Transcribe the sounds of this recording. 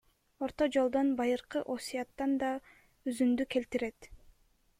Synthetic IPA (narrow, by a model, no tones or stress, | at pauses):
o̞ɾt̪o̞d͡ʒo̞lˠd̪o̞nbɑjɯɾqɯʔo̞sʲijɑt̪ːɑnd̪ɑ | yzynd̪yke̞lt̪iɾe̞t̪